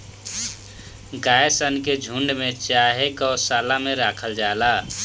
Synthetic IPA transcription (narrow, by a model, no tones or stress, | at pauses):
ɡaesənked͡ʒʱuɳɖmet͡ʃaɦekɔːsaːlameɾakʰəld͡ʒala